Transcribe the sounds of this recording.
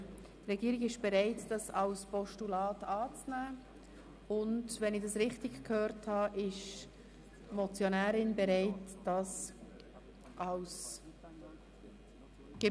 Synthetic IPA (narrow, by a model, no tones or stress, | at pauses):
trɛɡiːɾɪɡɪʃb̥ɛɾaɪtd̥ɑsɑlspɔʃtulɑːtɑːt͡snæː | ʊndvɛnɪɡd̥ɑsʁɪχtɪɡkʰhøːɾthɑʔɪʃ | mɔt͡sjonæːɾɪnbɛɾaɪtd̥ɑs | ʔɑls | ɡ̥e